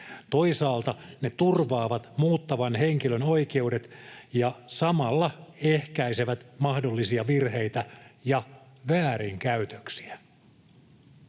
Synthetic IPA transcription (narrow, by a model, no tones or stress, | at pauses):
t̪oisɑːlt̪ɑnet̪urʋɑːʋɑt̪muːt̪ːɑʋɑnheŋkilønoike̞udet̪jɑsɑmɑlːɑehkæiseʋæt̪mɑhdolːisiɑʋirhe̞jt̪æjɑ | ʋæːɾiŋkæyt̪øksi̥æ